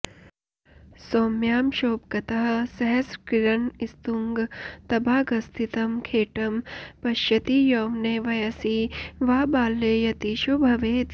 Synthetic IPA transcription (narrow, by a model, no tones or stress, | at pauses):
soːmjaːmʃoːpkɐt̪ɐɦɐ̆sɐɦɐskiɾɐnist̪uŋɡt̪ɐbʱaːɡɐst̪ʰit̪ɐmkʰeːʈɐmpɐʃjɐt̪ijoːmneːʋɐjɐsiʋaːbaːlːeːjɐt̪iːʃobʱɐʋeːt̪